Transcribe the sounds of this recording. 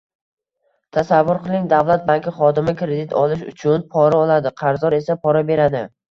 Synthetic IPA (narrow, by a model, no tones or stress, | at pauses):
t̪ʰasavːʊɾqʰɨlˠɪŋd̪avlˠat̪̚baŋʲkʲʰɪχɒd̪ɪmɪkɾe̞d̪ɪt̪ʰɒlˠɪʃʊ̰t͡ʃʰʊnpʰɒɾaɒlˠad̪ɪqʰɑɾzɒɾe̞sapʰɒɾabe̞ɾad̪ɪ